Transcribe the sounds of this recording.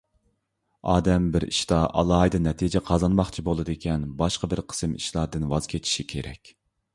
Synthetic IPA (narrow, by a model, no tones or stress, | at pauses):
ɑːd̪ɛmbɪɾḭʃt̪ɑʔɑ̰lˠɑːɦɨd̪ɨnɛt̪ʰid͡ʒɛqʰɑzɑnmɑχt͡ʃʰibolˠɨd̪ɨekʲʰɛnbɑʃqɑbɪɾqʰə̥sɨmḭʃlˠɑɾd̪ɨnwɑz̥kʲʰet̪ʰi̥ʃikʲʰeɾɛ̰kʲ